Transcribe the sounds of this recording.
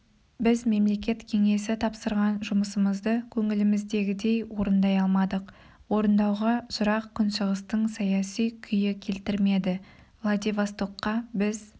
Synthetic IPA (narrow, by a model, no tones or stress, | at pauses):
bɪzme̞mle̞kʲe̞t̪kʲʰe̞ŋe̞sɪt̪ʰɑpsəɾʁɑnʒʊməsəməzd̪əkʲʰɵŋɪlɪmɪzd̪e̞ɡʲɪd̪e̞jwo̞ɾənd̪ɑjɑlˠmɑd̪əq | wo̞ɾənd̪ɑwʁɑʒʊɾɑqkʰʲʏnʃəʁəst̪əɴsɑjɑsijkʲʰʏjɪkʲʰe̞lt̪ɪɾme̞d̪ɪ | vlˠad̪evast̪oqːɑbɪz